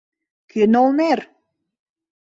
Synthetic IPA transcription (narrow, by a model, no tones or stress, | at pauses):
kenolmer